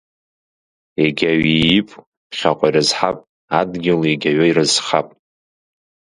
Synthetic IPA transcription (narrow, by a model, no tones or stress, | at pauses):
eɡʲaɥiːpʼ | pχʲaqʷʼajrɨzħapʼ | adɡʲɪleɡʲaɥairɨzχapʼ